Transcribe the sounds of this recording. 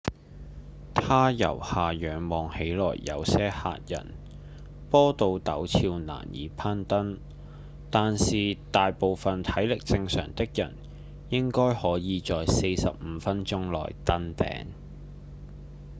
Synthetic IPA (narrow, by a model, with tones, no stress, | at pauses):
t̪ʰaː˥jɐ̰˨˩whaː˨˩jœː˨˧ŋmɔː˨ŋhe˨˥jlɔː˨˩jːɐ̰˨˧wsɛː˥ha̰ː˧t̚jɐ̰˨˩n | pɔː˥t̪o˧wt̪ɐ˨˥wt͡sʰiː˧wna̰ː˨˩njḭː˨˥pʰaː˥nt̪ɐ˥n | t̪aː˨nsiː˨˩t̪aː˨jpo˨wfɐ˨nt̪ʰɐ˨˥jlɪ˨k̚t͡sɪ˧ŋsœ̰ː˨˩ŋt̪ɪ˥k̚jɐ̰˨˩n | jɪ˥ŋkɔː˥jhɔː˨˥jiː˨˧t͡sɔː˨jse˧jsɐ̰˨p̚m̩˨˧fɐ˥nt͡ʃʊ˥ŋlɔ̰ː˨˩jt̪ɐ˥nt̪ɛ̰ː˧˥ŋ